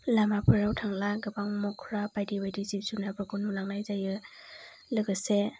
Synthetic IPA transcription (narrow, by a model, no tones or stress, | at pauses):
lamapʰɯɾawtʰaŋlaɡɯbaŋmɔkʰɾabajdibajdizizunabɔkunulaŋnajzajɯ | lɯɡɯse